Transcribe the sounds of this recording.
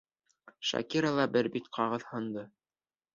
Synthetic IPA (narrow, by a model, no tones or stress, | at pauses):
ʃɑ̰kʲiɾalˠɑbɘɾbit̪qʰɑʁɤðhɤ̆nd̪ɤ